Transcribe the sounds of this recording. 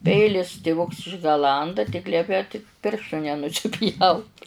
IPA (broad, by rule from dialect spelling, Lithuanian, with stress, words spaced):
ˈpʲɛɪlʲɪs tʲɪˈʋʊks ɪʒɡɐˈlˠɐndɐ tʲɪk ˈlʲiɛpʲɛ tʲɪk ˈpʲɪrʃtuː nʲɛnʊsʲɪˈpʲjɛʊt